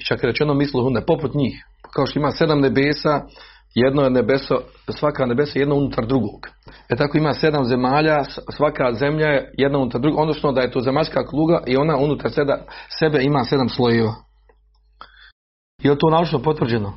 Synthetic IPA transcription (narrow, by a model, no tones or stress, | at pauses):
t͡ʃakeɾet͡ʃenomislˠoɦunepo̞put̪ɲiːx | kao̞ʃt̪oimaːse̞d̪amne̞beːsaː | jed̪noenebeso | sʋakaːne̞besojed̪nounut̪ʰaɾd̪ɾuɡoːɡ̥et̪akoimaːse̞d̪amze̞maːʎaːsʋakazemʎajejed̪naunut̪aɾd̪ɾuɡʔod̪no̞sno̞d̪aje̞t̪oːzemaʎʲskaːklˠuːɡaʔio̞naunut̪aɾsed̪asebe̞imaːse̞d̪amslˠo̞jeːʋaː | jelt̪oːnaːut͡ʃnopo̞t̪ʋrd͡ʑeno